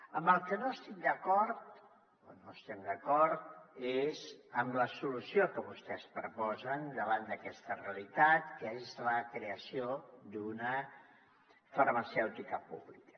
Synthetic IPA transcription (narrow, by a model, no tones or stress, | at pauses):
əmbəlˠkənoəst̪imd̪əkɔɾt̪ | o̰noəst̪ɛmd̪əkɔɾt̪ezəmləsulusiokəβust̪ɛspɾəpɔzənd̪əβ̞and̪əkɛst̪əreəlit̪at̪kəezləkɾeəsiod̪unə | fərməsɛwt̪ikəpṵβlikə̥